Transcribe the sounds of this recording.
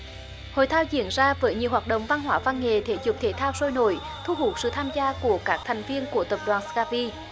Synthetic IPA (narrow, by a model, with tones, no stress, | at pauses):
ho̰˧˨jt̪ʰaː˧wt͡ɕi˧˦ənzaː˧vəː˨˦jɲi˨əwhwaː˨˩ɗə̰˧˨wŋ͡mva˧nhɦwaː˧˦va˧nŋe˨˩t̪ʰe˨˦zu˨˩p̚t̪ʰe˨˦t̪ʰaː˧wso˧jno̰˧˨˦j | t̪ʰu˧ɦu˨˩˦sɨ̰˧˨t̪ʰaː˧mzaː˧ku˧˩əkaː˦˥k̚t̪ʰɛ˨˩jŋ̟vi˧ənku˧˩ət̪ə˨˩p̚ɗwaː˨˩nskaː˧vi˧